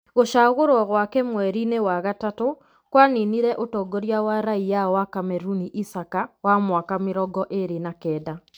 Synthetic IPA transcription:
ɣoʃaɣoɾwɔɣwakɛmwɛɾinewaɣatato | kwaniniɾɛʔotɔːɡɔɾjawaɾaijaɔwakamɛɾuniʔisakawamwakameɾɔɡɔʔeɾenakɛda

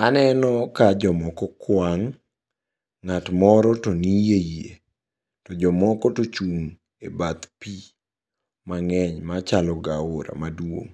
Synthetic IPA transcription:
manɛnɔkad͡ʒɔmɔkɔkwaŋ | atmɔɾɔtonijejḛ | tɔd͡ʒɔmɔkɔtot͡ʃuŋ | ebat̪pi | maŋɛɲmat͡ʃalɔɡaoɾa̰madwo̰ŋ

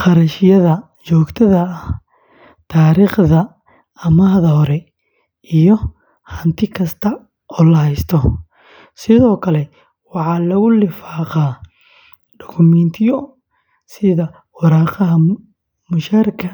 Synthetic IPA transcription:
qɑɾɐʃɪjɐðɐ | t͡ʃɔːɡt̪ʰɐðɐːh | t̪ʰaːɾiːχðɐ | ɐmaːhðɐhɔɾɛ | ijɔ | hɐnt̪ʰɪkʰɐst̪ʰɐ | ɔːlɐhɛjst̪ʰɔ | sɪðɔːkʰɐlɛ | wɑħɑːlɐɣʊlɪfaːqaː | ɖɔkʰʊmɛnt̪ʰɪjɔ | sɪðɐ | wɑɾɑqɑɦɐ | mʊʃaːɾkʰɐ

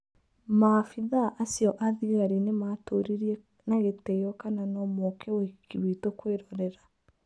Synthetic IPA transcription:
mafiðaʔasjɔʔaðiɣaɾinematoɾiɾiɛ | naɣetɛjɔkananɔmɔkʰɛwɛkiwitokweɾɔɾɛɾa

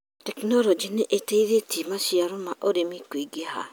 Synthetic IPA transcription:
tɛknɔlɔd͡ʒineʔeteiðetimaʃiaɾomaʔoɾemikwiɡeha̰

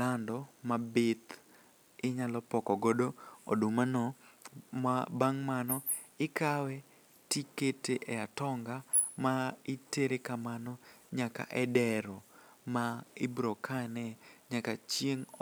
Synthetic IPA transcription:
landɔmabɪt̪ | ɪɲalɔpɔkɔɡodoo̰dumanɔ | mabaŋmanɔ | ɪkawɛ | tiketeʔɛatɔŋɡa | maɪteɾekamanɔɲaka̰ʔɛdɛɾɔmaɪbɾɔkʰanɛɲakat͡ʃjeŋ

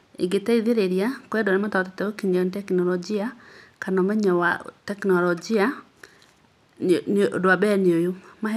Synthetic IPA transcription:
ḛɡetɛiðeɾeɾijakwɛdɔnɪmatatɛtɛokiɲantɛknɔlɔd͡ʒiakanɔmɛɲawatɛknɔlɔd͡ʒia | no̰doabɛneojoma

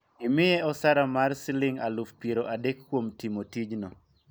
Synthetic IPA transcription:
imɪjɛɔsaɾamarsɪlɪŋa̰lufpjeɾoʔadekːwomtimotid͡ʒnɔ

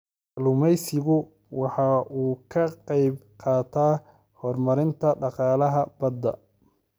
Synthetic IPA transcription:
lʊmɛjsɪɣʊ | wɑħɑʔuːkʰɐqɛjb̚qɑːt̪ʰaː | hɔːrmɐɾɪnt̪ʰɐɖɑqɑːlɐɦɐbɐd̪ːɐ̰

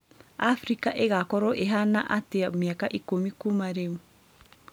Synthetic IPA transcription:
afɾikaʔeɡakoɾoʔeɦanaʔateamiakaʔikomikumaɾew

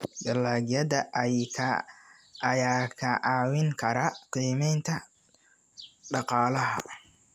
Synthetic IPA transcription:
ɡɐlaːɡjɐðɐʔʰ | jaːkʰɐʔɑːwɪŋkʰɐɾɐqiːmɛjnt̪ʰɐ | ɖɑqɑːlɐɦɐ̰

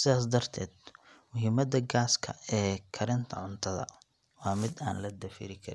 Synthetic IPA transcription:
sɪðaːs̬d̪ɐrt̪ʰɛ̰ːd̪ | mʊɦiːmɐd̪ɐɡaːskʰɐ̰ɛːkʰɐɾɪnt̪ʰɐʕʊnt̪ʰɐðɐ̰ | wɑːmɪd̪a̰ːnlɐd̪ɐfḭːɾɪkʰɐɾɪ

